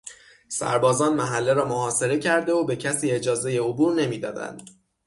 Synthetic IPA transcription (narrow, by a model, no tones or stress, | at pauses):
sæ̰ɾbɒːzɒːnmæɦælːe̞ɾɒːmohɒːse̞ɾe̞cʰæɾd̪e̞obe̞cʰæsiːe̞d͡ʒɒːze̞je̞obuːɾne̞miːd̪ɒ̰ːd̪æ̰nd̪̥